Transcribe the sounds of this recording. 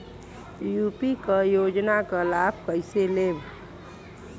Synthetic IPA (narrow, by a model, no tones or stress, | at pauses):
jupikəjod͡ʒnakəlab̚ʱkəjseleb